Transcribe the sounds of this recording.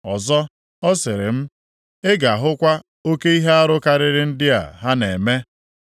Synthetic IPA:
ɔ˨zɔ˦ | ɔ˦sɪ˨ɾɪ˨m̩˦ | ɪ˦ɡa˨ɦʊ˦kʷa˦ | o˦ke˦i˦ɦe˦a˦ɾʊ˦ka˦ɾɪ˦ɾɪ˦n̩˦dɪ˦a̰˨ɦa˦ne˨me˦

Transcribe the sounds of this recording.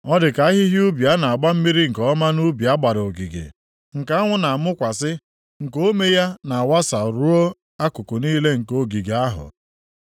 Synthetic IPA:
ɔ˦dɪ˨ka˨a˦ɦɪ˦ɦju˦bja˦na˨a˨ɡ͡ba˦m̩˦mi˦ɾi˦ŋ̩˨kɔ˦ma˦nu˦bja˦ɡ͡ba˨ɾo˨ɡi˨ɡḛ˨ | ŋ̩˨ka˦ŋʷʊ˦na˨mʊ˦kʷa˨sɪ˦ | ŋ̩˨ko˦me˦ja˦na˨a˨wa˦sa˨ɾu˦o˦ | a˦kʊ˨kʊ˨niː˦le˦ŋ̩˨ko˦ɡi˨ɡe˨a˦ɦʊ̰˨

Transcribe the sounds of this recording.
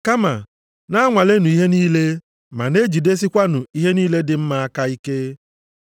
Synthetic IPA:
ka˦ma˨ | na˦ŋʷa˨le˦nũ˨i˦ɦe˦niː˦le˦ | ma̰˨ne˦d͡ʒi˨de˦s̬i˦kʷa˦nʊ̃˨i˦ɦe˦niː˦le˦dɪ˦m̩˦ma˦ka˦i˦ke˦

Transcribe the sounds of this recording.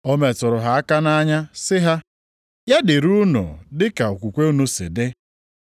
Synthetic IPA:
o˦me˨tʊ˨ɾʊ˨ɦa˨a˦ka˦na˦ɲa˦sɪ˦ɦa˦ | ja˦dɪ˨ɾu˦nʊ̰˨dɪ˦ka˨o˨kʷu˨kʷe˦u˦nu˦sḛ˨de˦

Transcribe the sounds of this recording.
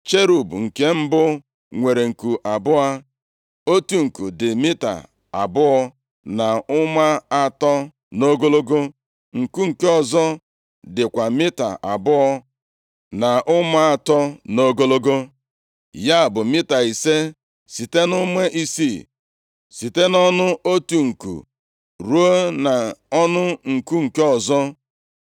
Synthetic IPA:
t͡ʃe˦ɾu˨bu˨ŋ̩˨ke˦m̩˦bʊ˦ | ŋʷe˨ɾe˨ŋ̩˨ku˨ʔa˨bʊ˦a˦ | o˦tu˨ŋ̩˨ku˨dɪ˨mɪ˦ta̰˨ | a̰˨bʊ˦ɔ˦ | na˨ʊ˦ma˦a˨tɔ˦ | no˦ɡo˦lo˦ɡo˦ | ŋ̩˨ku˦ŋ̩˨ke˦ɔ˨zɔ˦ | dɪ˨kʷa˨mɪ˦ta̰˨ʔa˨bʊ˦ɔ˦ | na˨ʔʊ˦ma˦a˨tɔ˦no˦ɡo˦lo˦ɡo˦ | ja˦˨bʊ˨mɪ˦ta˨i˨se˦ | si˨te˦nʊ˦me˦ʔi˦si˦˨ | si˨te˦nɔ˦nʊ˦ʔo˦tu˨ŋ̩˨kṵ˨ | ɾu˨˦o˦na˨ɔ˦nʊ˦ŋ̩˨ku˦ŋ̩˨ke˦ɔ˨zɔ˦

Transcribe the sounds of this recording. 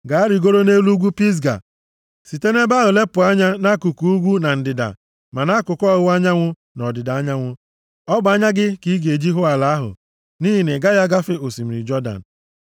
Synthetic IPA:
ɡa˨a˦ɾi˨ɡo˦ɾo˦ne˦lu˦ɡʷu˦pi˦s̬ɡa̰˨ | si˨te˦ne˦ba˦ɦʊ˨le˦pʊ˨a˦ɲa˦na˦ku˨ku˨u˦ɡʷu˦na˨n̩˨dɪ˨da̰˨ | ma˨na˦kʊ˨kɔ˦ɣʊ˦a˦ɲa˦ŋʷʊ˦ | nɔ˨dɪ˨da˨a˦ɲa˦ŋʷʊ˦ | ɔ˦ɡ͡ba˦ɲa˦ɡɪ˦ki˦ɡe˨d͡ʒi˦ɦʊ˦a˨la˨a˦ɦʊ̰˨ | ni˦ɦi˨nɪ˨ɡa˦ja˦ɡa˦fi˦o˨si˨m̩˨ɾḭ˨d͡ʒɔ˦da̰˨n̩˨

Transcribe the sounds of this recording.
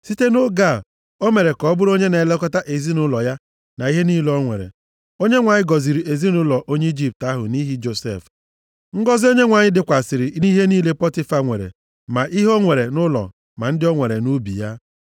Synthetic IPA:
si˦te˦no˦ɡa˦˨ | o˦me˨ɾe˨kɔ˨˦bʊ˦ɾo˦ɲe˦ne˨le˦kɔ˦ta˦ʔe˨zi˦nʊ˦lɔ˨ja˦ | na˨i˦ɦe˦niː˦lɔ˦ŋʷḛ˨ɾḛ˨ | o˦ɲe˦ŋʷa˨ɲɪ˦ɡɔ˨zi˨ɾi˨ʔe˨zi˦nʊ˦lɔ˨ʔo˦ɲe˦i˦d͡ʒi˦p̚ta˦ɦʊ̰˨ni˦ɦi˦d͡ʒo˨sḛ˦˨f | ŋ̩˦ɡɔ˦zɪ˦o˦ɲe˦ŋʷa˨ɲɪ˦dɪ˦kʷa˨sɪ˨ɾɪ˨ʔi˦i˦ɦe˦niː˦le˦pɔ˦tɪ˦fa˦ŋʷḛ˨ɾḛ˨ | ma˨ʔi˦ɦo˦ŋʷe˨ɾe˨nʊ˦lɔ̰˨ | ma˨n̩˦dɪ˦ɔ˦ŋʷe˨ɾe˨nu˦bḭ˨ja˦

